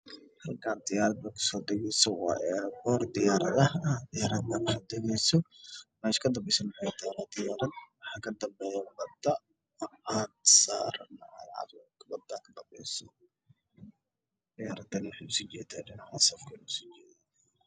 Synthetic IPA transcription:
hɐlkʰaːnd̪ɪjaːɾɐd̪̚bɐkʰʊ̥sɔːd̪ɛɣɛjsɔwɑ̰ːʔɛbɔːrd̪ɪjaːɾɐðɐhad̪ɪjaːɾɐd̪bɐnɐħad̪ɛɣɛjsɔmɛʃkʰɐd̪ɐmbɛjsɐmʊħad̪ʰɾad̪ɪjaːɾɐd̪̚wɑħɑːkʰɐd̪ɐmbɛjabɐd̪ɐ | ʕaːnsa̰ːɾɐnɐʕɐ̰lʕɑ̰ɾkʰɐbɐd̪akʰɐd̪ɐmbɛ̰jsɔ̥ | d̪̥ɪjaːɾɐd̪ɐnɪwħa̰ʊsit͡ʃɛːd̪aɖɪnaʕasɐfkʰɐlʊsit͡ʃɛːða

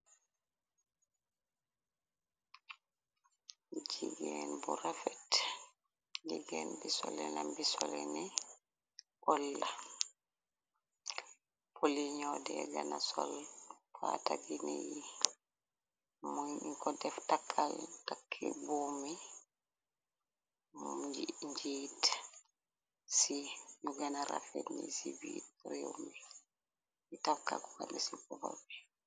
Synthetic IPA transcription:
d͡ʒiɡɛnbuɾafɛt | liɡɛnbisɔlɛnambisɔlɛni | ʔɔlːa | poliɲɔdɛɡanasɔlfataɡiniji | muɲiŋkɔdɛftakʰːaltakʰːɛbuːmi | d͡ʒɲd͡ʒiːt | sijuɡanaɾa̰fɛnːḭsibid̚ɾewmi | itafkːakukanisibɔbabi

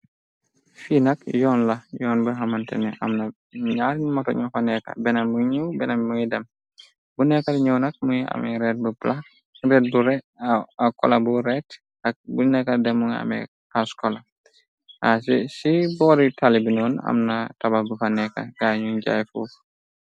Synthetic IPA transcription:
finɐkjɔːnlɐjɔːnbuɦɐmɐntɛ̰nɛʔɐ̰mnɐ | ɲaɾɲmɔtɔɲufanɛkɐ̰bɛnɐmuɲuwbɛnɐmmuɲidɐm | bunɛkatɲuwnɐk̚muɲia̰mɛɾɛːt̚bupla | rɛːt̚buɾɛ | akɔlɐbuɾɛt | ɐk̚bunɛkadɛmuŋa̰mɛ̰ | askɔla | asɛsibɔɾitalibinɔːnɐ̰mnɐtɐbabufanɛkɐ̰ɡaɲuɲɟa̰jfṵːf

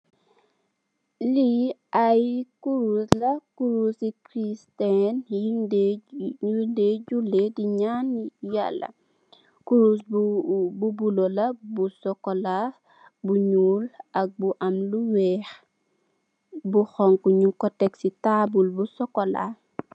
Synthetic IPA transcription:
liajkuɾuslɐkuɾusikɾistɛnind | undeɟulediɲanja̰lːɐ̰ | kuɾus̬ | bubulolɐbusɔkɔla | buɲuːlʔɐk̚buʔɐmluwɛːx | buxɔŋkuɲukɔtɛksitabulbusɔkɔla̰

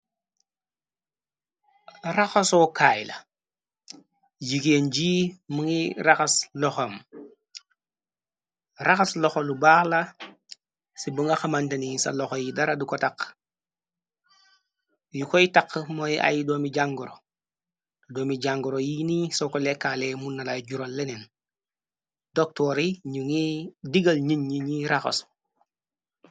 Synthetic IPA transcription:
ɾaxosokaːjla̰ | d͡ʒikend͡ʒiːmuŋiɾaxasloxom | ɾaxasloxolubaːxla | sibəŋɡaxamantɐnisa̰loxojidaɾadukotak | jukojitakːmoja̰jidomiɟaŋɡuɾo | ddoːmiɟaŋɡuɾojinisokolekːalemunːalaɟuɾolːenen | dɔk̚tɔɾiɲuŋidiɡɐlɲiɲɲiɲiɾaxɐ̰s

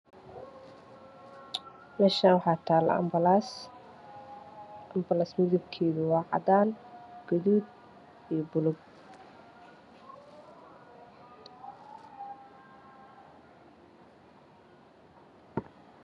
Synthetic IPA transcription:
mɛːʃanwħɑːt̪ʰaːlɐ̰ɐ̰mls | ɐmbɐlasmɪðʊbkʰɛːðʊwɑːʕɑ̰ðaːnɡ̥ʊðuːd̪ | ijɔbʊlʊb̚

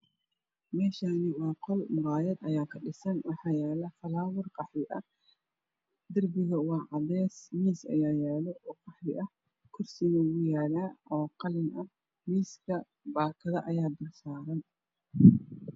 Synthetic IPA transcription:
mɛːʃaːnɪwɑːqɔlmʊɾɑːjɐd̪ɐjaːkʰɐɗɪsɐnwɑħɑːjaːlɐfɐlaːwɪrqɑħɾɪʔɐ | d̪ɐrbɪɣɐwɑːʕɑðɛːsmiːsɐ̰jaːjaːlɛʔɔːqɑħɾɪʔɐh | kʰʊrsɪɣɐɣʊjaːlaːʔɔːqɑlɪnʔɐ | miːskʰɐ | baːkʰɐðɐʔɐjaːd̪ɐrsaːɾɐn

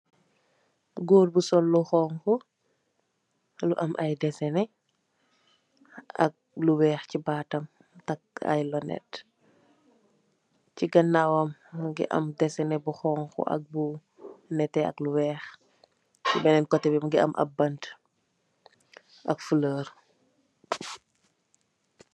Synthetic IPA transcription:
ɡoːɾbusɔlːuxɔːŋkɔ | luʔɐmʔɐjdɛsɛnɛ | ɐ̰k̚luwɛːxcibaːtɐm | tɐk̚ɐ̰jlɔnɛ̰t | ciɡɐnːawɐmːɡḭʔɐ̰mdɛsɛnɛbuxɔːŋxɔ̰ʔɐ̰k̚bu | nɛtːɛɐ̰kluwɛːx | cibɛnɛnkɔtːɛbimɐɡiʔɐ̰mʔɐ̰bɐnt | ʔɐkfuləːɾ

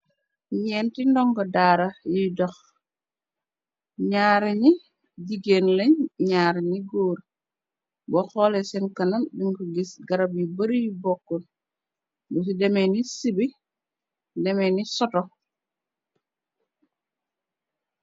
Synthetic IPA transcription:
ɲɛːntindɔŋɡɔdaːɾajidɔx | ɲaːɾeɲi | diɡenleɲɲaːɾɲiɡoːɾ | bɔxɔːlɛsɛnkɐnanbiŋkuɡisɡaɾabjibɐɾijubɔkːɔn | bus̬idɛmenisibi | dɛmenisɔtɔ

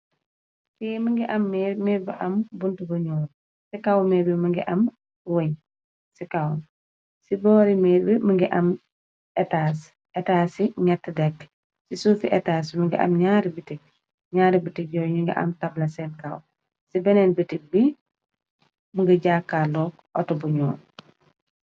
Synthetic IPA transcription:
simɐŋɡiʔɐmːɛmɛɾbiʔɐmbuntubuɲɔːn | sikawmɛbimɐŋɡḭʔɐm | weɲ | sikawn | sibɔːɾimɛɾbiməŋɡiʔɐm | ɛtaːs | ʔɛtaːsiɲatːdɛk | sisufiʔɛtaːs̬miŋɡḭʔɐ̰mɲaːɾibitik̚ | ɲaːɾibitik̚ɟɔɲiŋɡḭʔɐ̰mtablɐsɛnkaw | sibɛneːnbitik̚bi | muŋɡɐɟaːkːalɔ | ɔ̰tubuɲɔːn

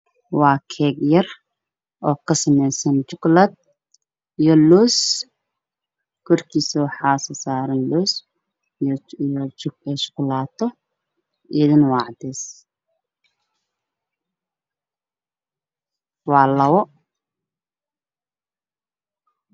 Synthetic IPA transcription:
wɑːkʰɛːɡjɐr | ʔɔːkʰɐsɐmɛjsɐnt͡ʃʊɡlɐd̪̚ | ijɔlɔːs | kʰɔrkʰiːsɐwɑħɑːsɐsaːɾɐnlɔːs | jt͡ʃɛʃʊ̥klaːt̪ʰɔ | ɪðɪnwɑʕd̪ɛːs | wɑːlɐwɔ

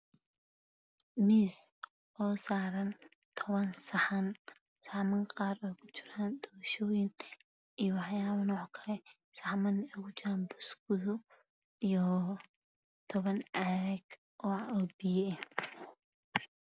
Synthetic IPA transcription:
miːs | ʔɔːsaːɾɐn | t̪ʰɔβɐnsɐħɐn | saʕmɐŋqɑːɾɔkʰʊt͡ʃɪɾaːnd̪ɔɾɐʃɔːjɪn | ijɔwɑħjaːβɐnɔːħkʰɐlɛ | saħmɐnɛɣʊt͡ʃaanbʊsɡʊðɔ | ijɔ | t̪ʰɔβɐnʕaɛɡ | ʔɔːɔbijɛ

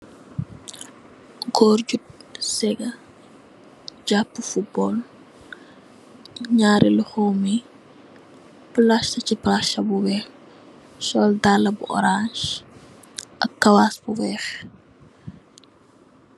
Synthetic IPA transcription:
ɡɔːrɟut̚sɛɡɐ | ɟapːufut̚bɔːl | ɲaːɾʔiluxomi | pəlaʃtɐciplaʃɐbuwɛːf | ʃɔldalɐbṵʔɔ̰ɾanʃ | ʔɐkːɐwasbuwɛːf

